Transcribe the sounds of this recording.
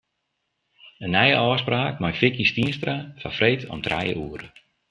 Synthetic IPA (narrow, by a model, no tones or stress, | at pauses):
ənːɛjə̰ʔɔːspraːkmajfɪkjəstiənstrafafrejtʰɔ̰mtra̰jə̰uəɾə